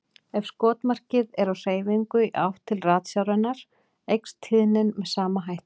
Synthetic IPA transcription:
ɛvskɔːt̪mar̥cɪðɛɾawr̥eːjviŋkʏʔa̰wht̪ʰɪlraːt̪sjawɾɛnːaɾ̥ | ejkst̪hɪðnɪnmɛðsaːmaɦajht̪

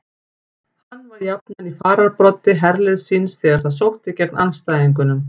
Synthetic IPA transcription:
hanːvaɾjap̚nanifaːɾaɾpɾɔt̪ːɪɦɛɾlɪðsinsθɛːɣaɾ̥θaðs̬owht̪ɪcɛknʔa̰nst̪aːjðiŋk̬ʏnʏm

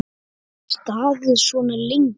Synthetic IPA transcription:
st̪aːðɪðsvɔnalɪŋ

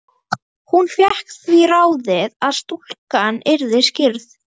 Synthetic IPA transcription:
hunfjɛhkθviraːwðɪðaðst̪ul̥kanɪɾðɪscɪɾθ

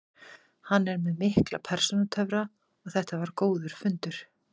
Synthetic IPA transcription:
hanːɛɾmɛðmɪhkla̰pʰɛɾ̥sɔnat̪ʰœvɾa | ɔɣθɛht̪avaɾkoːwðʏɾ̥fʏnt̪ʏɾ̥

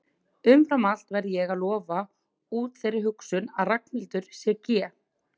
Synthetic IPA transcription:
ʏmfɾamal̥t̪vɛɾðɪjɛɣaðlɔːva | uːt̪θejrːɪɦʏksʏnaðrakmilt̪ʏɾ̥sjɛɾcɛː

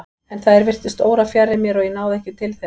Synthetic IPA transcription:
ɛnθaðɛɾvɪr̥t̪ʏst̪oːwɾafjarːɪmjɛɾɔɣjɛnaːwðɛhcɪt̪ʰɪlθɛ

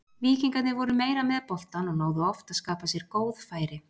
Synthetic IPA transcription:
viːciŋkat̪nɪvɔɾʏmeːjɾamɛðpɔl̥t̪anɔɣnoːwðʏɔft̪aðskaːpasjɛɾ̥koːwðfaːjɾɪ

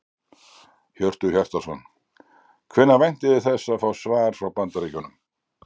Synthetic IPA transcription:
hœr̥t̪ʏçjɛr̥t̪asɔn | kʰvɪnːavɛjn̥t̪ɪðɪθɛsːafaːwsvaːɣɾ̥fɾawpant̪aɾikʏnʏm

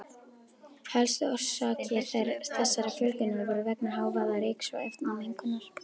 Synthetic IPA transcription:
hɛlst̪ʏɔ̥saːcɪθejɾθɛsːaɾafʏlcʏnʏɾvɛːɾʏvɛknaɦaːwvaðaɾeːksa̰ḛft̪namejŋkʏnːaɾ̥

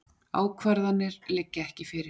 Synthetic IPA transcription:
a̰ːwkʰvɛɾðanːɪɾlɪcːɪɛhcɪfɪɾɪɾ

